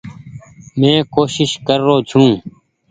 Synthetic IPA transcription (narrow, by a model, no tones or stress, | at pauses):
mẽːkoːʃɪʃkəɾːoːt͡ʃʰũː